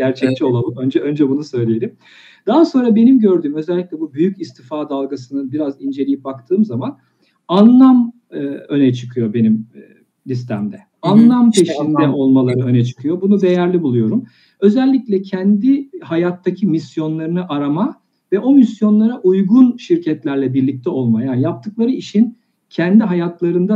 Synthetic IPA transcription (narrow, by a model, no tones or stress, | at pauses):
ɟ̥æɾt͡ʃʰɛc̚t͡ʃʰio̞lˠalˠɯmønd͡ʒɛø̞nd͡ʒɛbunusø̞jlʲejeɾʲim | d̪̥aɦaso̞nɾabe̞nimɟø̞ɾd̪yːmø̞zɛlʲːicʲlʲɛbubyjycist̪ʰifaːd̪alˠɡasɯnɯnbiɾazind͡ʒe̞lʲijip̚bak̚t̪ʰɯːmzaman | anlˠam | ø̞nɛt͡ʃʰɯkʰɯjo̞be̞nim | lʲist̪ʰæmd̪ɛ | anlˠampʰe̞ʃind̪ɛʔo̞lˠmalˠaɾɯø̞nɛt͡ʃʰɯ̥kʰɯjo̞bunud̪e̞jæɾlʲibulˠujo̞ɾum | ø̞zɛlʲːiclʲɛcʰɛnd̪ihajat̪ʰːacʰimisjo̞nlˠaɾɯnɯʔaɾama | vɛʔo̞misjo̞nlˠaɾaʔujɡunʃiɾcʰɛt̪lʲæɾlʲɛbiɾlʲic̚t̪ʰɛo̞lˠmajaːnijap̚t̪ʰɯklˠaɾɯiʃin | cʰɛnd̪iɦajat̪lˠaɾɯnd̪a